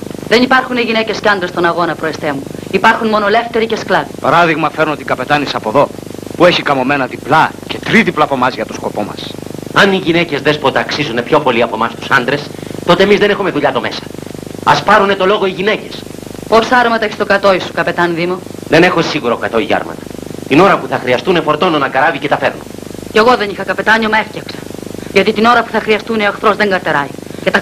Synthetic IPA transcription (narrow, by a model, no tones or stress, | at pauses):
ðenipɐɾxuniʝine̞ce̞sceɐnd̪ɾest̪o̞nɐɣo̞nɐpɾo̞est̪emuipɐɾxunmo̞no̞le̞ft̪e̞ɾice̞sklɐði̥pɐɾɐðiɣmɐfeɾunot̪ikɐpe̞t̪ɐnisɐpo̞ðo̞pue̞çikɐmo̞me̞nɐðiplɐce̞t̪ɾiðiplɐpo̞mɐzʝɐt̪osko̞po̞mɐ̰sɐniʝinece̞zðespot̪ɐːksizune̞pço̞po̞liɐpo̞mɐst̪u̥sɐnd̪ɾest̪o̞t̪eemizðenexume̞ðuʎɐt̪o̞me̞sɐ̥ɐspɐɾune̞t̪o̞lo̞ɣoiʝine̞ce̞sposɐɾmɐt̪ɐeçist̪okɐt̪o̞isu̥kɐpe̞t̪ɐnðimoðe̞nexosiɣuɾokɐt̪o̞iʝɐ̰ɾmɐ̰t̪ɐ̥t̪ino̞ɾɐpuθɐxɾiɐst̪une̞fo̞ɾt̪o̞nonɐkɐɾɐvicet̪ɐfeɾnoce̞ɣo̞ðe̞nixɐkɐpe̞t̪ɐɲomɐe̞fcɐksɐ̥ʝɐt̪it̪ino̞ɾɐpu̥θɐxɾiɐst̪uneɐxθɾo̞zðe̞ŋɡɐɾt̪e̞ɾɐicet̪ɐ